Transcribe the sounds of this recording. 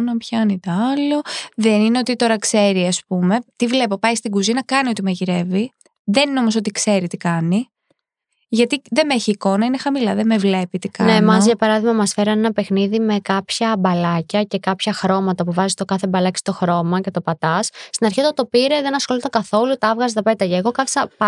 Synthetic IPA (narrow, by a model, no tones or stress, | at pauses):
nɐpçɐnit̪ɐɐloðenineo̞t̪it̪o̞ɾɐkse̞ɾiɐspume̞t̪ivle̞po̞pɐjst̪iɡuzinɐkɐnio̞t̪imeʝiɾe̞vi | ðe̞nineo̞mo̞so̞t̪ikse̞ɾit̪ikɐni | ʝɐt̪iðe̞meçiːko̞nɐinexɐmilɐðeme̞vle̞pit̪ikɐnemɐzʝɐpɐɾɐðimɐmɐsfeɾɐne̞nɐpe̞xniðime̞kɐpçɐbɐlɐcɐce̞kɐpçɐxɾo̞mɐt̪ɐpuvɐzist̪o̞kɐθebɐlɐci̥st̪o̞xɾo̞mɐce̞t̪o̞pɐt̪ɐssːt̪inɐɾçiot̪ɐt̪o̞piɾe̞ðenɐsxolit̪ɐkɐθo̞lut̪ɐɐvɣɐzet̪ɐpe̞t̪ɐʝɐːɣo̞kɐθi̥sɐp